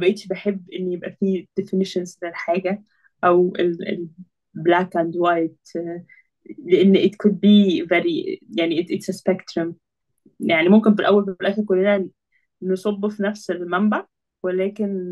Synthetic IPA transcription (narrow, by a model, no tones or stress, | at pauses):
bæʔeːt̪ʃbeħebːʔenːjebʔæfiːd̪̥efineʃensnelħaːɡæ | ʔæwʔelḛl | blækʔæ̃nd̪wajt̪ | leʔenːʔet̪kʊd̪̚biːveɾijaʕniʔet̪ʔet̪sæspekt̪ɾom | jaʕnimomkenfilʔæwːælbflʔæxæɾkolːenæ | nesˤobːofinæfselmæmbæ | welæːken